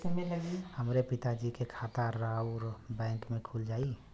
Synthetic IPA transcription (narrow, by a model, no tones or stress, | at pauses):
səeləɡihəmɾepit̪ad͡ʒikekʰat̪aːauɾbɛ̃ŋkmekʰuld͡ʒai